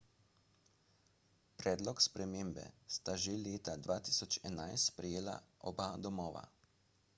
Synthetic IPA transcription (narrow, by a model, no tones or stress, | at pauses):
pɾɛːd̪lɔkspɾɛmeːmbɛ̰st̪aʒeleːt̪ad̪ʋaːt̪iːsɔt͡ʃɛnajst̪spɾɛjeːla̰ʔɔbad̪ɔmɔːʋa̰